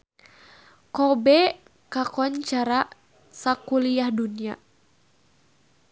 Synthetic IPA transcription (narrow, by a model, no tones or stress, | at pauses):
kɔbɛ | kakɔɲt͡ʃaɾa | sakuliahdunia̰